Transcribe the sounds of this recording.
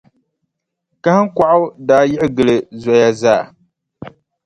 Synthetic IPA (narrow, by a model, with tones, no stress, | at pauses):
ka˦ha˦kʷa˨ʔʊ˦daː˨˦˨jɪ˦ʔɡɨ˨lɨ˨za˨ja˦zaː˦˨